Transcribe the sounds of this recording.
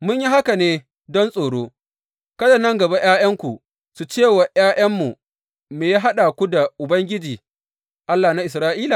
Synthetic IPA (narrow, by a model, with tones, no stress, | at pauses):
mʊ˦ɲji˦ɦa˦ka˨neː˦ | dɔ˦nsʼoː˨ɽoː˦ | kɐ˦da˨nɐ˦ŋɡɐ˨ba˦j̰aː˦j̰ɐ˦ŋkʷu˨ | su˨t͡ʃeː˦˨wa˨j̰aː˦ʔɐ˦mːu˨ | meː˨jaː˦ɦa˦ɗa˨kʷu˦da˨ʔʊ˨bɐ˦ŋɡʲɪ˦d͡ʒiː˨ | ʔa˦lːaː˨na˦ʔɪ˨sɾaː˦ʔiː˦la˨